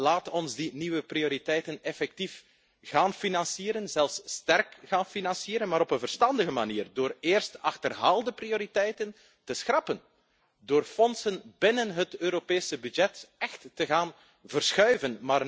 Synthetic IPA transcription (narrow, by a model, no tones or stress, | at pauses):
laːtɔnzdiniwəprioɾitɛjtənɛfɛk̚tif | ɣaːnfinɑnsiːɾənzɛlˠfsːtɛrkɣaːnfinɑnsiːɾənmaːɾɔpənvərstɑndəɣəmaniːrdoːreːrstɑxtərɦaːlˠdəprioːɾitɛjtən | təsxrɑpən | doːrfɔnsənbɪnənɦətøːɾopeːsəbyd͡ʒɛtɛxtːəɣaːn | vərsxœɥvənmaːr